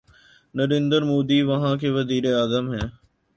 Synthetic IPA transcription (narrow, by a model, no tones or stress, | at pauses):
nəɾẽːnd̪əɾmoːd̪iːʋɐɦãːkeːʋəziːɾeaːzəmɦɛː